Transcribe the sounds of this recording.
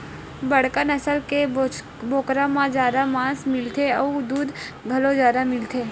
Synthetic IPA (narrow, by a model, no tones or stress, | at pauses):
bəɽ̤kənəsəlke | boːkɾãmãd͡ʒjaːd̪amãːsmɪlt̪ʰeɔd̪uːd̪ɡʱəlozjaːd̪amɪlt̪ʰeː